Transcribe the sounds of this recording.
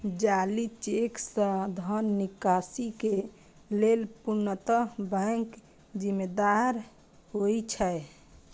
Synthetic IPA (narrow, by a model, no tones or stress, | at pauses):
d͡ʒalit͡ʃeksə̃d̪ʱənːikasike | lelpuɾnət̪əbɛ̃ŋk | d͡ʒimed̪aɾ | ɦojt͡ʃʰɛ